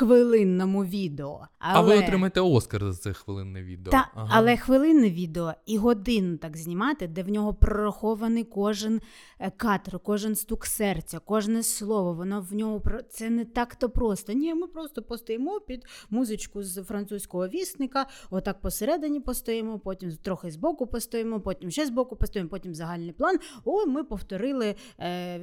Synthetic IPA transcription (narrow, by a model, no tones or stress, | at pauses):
xʋɪlˠɪnːɐmʊʋʲid̪eɔ̰ɐlɐʋɪɔɾɪmɐjet̪ɛɔskɐrzɐt̪sɛxʋɪlˠɪ̰nːɪ̰ʋʲḭd̪ḛɑɐlˠɛxʋɪlˠɪnːɪʋʲid̪eɔiɦɔd̪ɪnt̪ɑkzʲnʲimɑt̪ɪd̪ɛwnʲɔɦɔpɾɔɾɐxɔʋɐnɪkɔʒɪn | kɑt̪rkɔʒɪnst̪uksɛrt͡sʲɐkɔʒnɛslˠɔʋɔʋɔnɔwnʲɔɦʊpɾɔt̪sɛnɛt̪ɑkt̪ɔpɾɔst̪ɐnʲimɪpɾɔst̪ɔpɔst̪ɔjemɔpʲid̪muzɪt͡ʃkʊzfɾɐnt̪susʲkɔɦɔʋʲisnɪkɐɔt̪ɑk̚pɔseɾɛd̪ɪnʲipɔst̪ɔjɛmɔpɔtʲimt̪ɾɔxɪzbɔkʊpɔst̪ɔjemɔpɔtʲimʃɛzbɔkʊpɔst̪ɔjɛmɔpɔtʲimzɐɦɑlʲnɪjplˠɑnɔmɪpɔwt̪ɔɾɪlˠɪ